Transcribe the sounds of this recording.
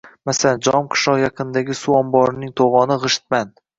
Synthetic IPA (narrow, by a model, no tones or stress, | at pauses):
masaland͡ʒɒmqʰɨ̥ʃlɒqjɑqʰɨnd̪aɡʲɪsuɒmbɒɾɪnɪŋt̪ʰoʁɒnɪʁɨʃɪ̥t̪̚man